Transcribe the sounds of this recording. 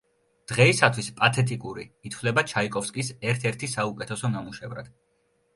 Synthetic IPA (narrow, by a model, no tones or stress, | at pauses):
d̪̥ʁɛisat̪ʰwispʼat̪ʰɛt̪ʼikʼuɾiːt̪ʰvlɛbat͡ʃʰaikʼɔfskʼisɛɾt̪ʰɛɾt̪ʰisaukʼɛt̪ʰɛsɔnamuʃɛvɾa̰d̪̥